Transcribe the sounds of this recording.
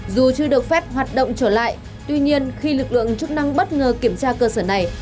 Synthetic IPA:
zu˨˩t͡ɕɨ˧ɗɨ˨˩ək̚fɛ˦˥p̚ɦwaː˨˩t̚ɗo̰˧˨wŋ͡mt͡ɕəː˧˩la̰ː˧˨j | t̪wi˧ɲi˧ənxi˧lɨ˨˩k̚lɨ̰˧˨əŋt͡ɕʊ˦˥k̚na˧ŋɓə˦˥t̚ŋəː˨˩ki˧˩əmt͡ɕaː˧kəː˧səː˧˩na˨˩j

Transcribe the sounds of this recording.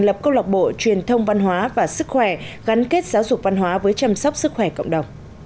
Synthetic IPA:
ŋlə˨˩p̚kə˧wla˨˩k͡p̚ɓo̰˧˨t͡ɕwi˨˩ənt̪ʰə˧wŋ͡mva˧nɦwaː˨˦vaː˨˩sɨ˦˥k̚xwɛ˧˩ɣa˨˦nke˦˥t̚zaː˨˦wzʊ˨˩k͡p̚va˧nɦwaː˨˦vəː˨˦jt͡ɕa˧msɔ˦˥wk͡p̚sɨ˦˥k̚xwɛ˧˩kə̰˧˨wŋ͡mɗə˨˩wŋ͡m

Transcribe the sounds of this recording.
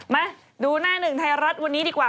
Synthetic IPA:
ma˦˥ | duː˧naː˥˩nɯ˨˩ŋt̪ʰa˧jɾa˦˥t̪̚wa˧nːi˦˥diː˧kwaː˨˩

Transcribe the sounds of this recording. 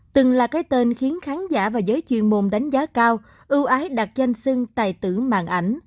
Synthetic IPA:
t̪ɨ˨˩ŋlaː˨˩kaː˨˦jjt̪e˧nxi˨˦ənxaː˨˦nza̰ː˧˩vaː˨˩zəː˨˦jt͡ɕwḭ˧˨ənmo˨˩mɗa˨˦jŋ̟zaː˨˦kaː˧w | ʔɨ˧wʔaː˨˦jɗa˨˩t̚za˧jŋ̟sɨ˧ŋt̪a̰ː˧˨jt̪ɨ̰˧˩ma̰ː˧˨nʔa˧˩jŋ̟

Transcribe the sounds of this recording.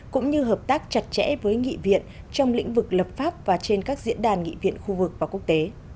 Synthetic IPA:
kʊ̰˧˥ŋ͡mɲɨ˧ɦəː˨˩p̚t̪aː˦˥k̚t͡ɕa˨˩t̚t͡ɕɛ̰˧˥vəː˨˦jŋḭ˧˨vḭ˧˨ən | t͡ɕɔ˧wŋ͡mlḭ̈˧˥ŋ̟vɨ˨˩k̚ləː˨˩p̚faː˦˥p̚vaː˨˩t͡ɕe˧nkaː˦˥k̚zḭ˧˥ənɗaː˨˩nŋḭ˧˨vḭ˧˨ənxu˧vɨ˨˩k̚vaː˨˩ku˦˥ək̚t̪e˨˦

